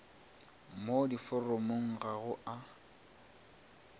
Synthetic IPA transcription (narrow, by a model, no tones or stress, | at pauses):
modifʊromoŋ̩ɣaɣʊʔa